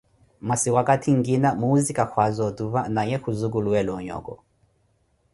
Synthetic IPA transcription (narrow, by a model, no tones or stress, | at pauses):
masiwakatʰiŋɡinamuuzikakʰwazɔtuβanaɲɛhuzuk̬uluwɛlɔɲɔ̰ːkɔ̰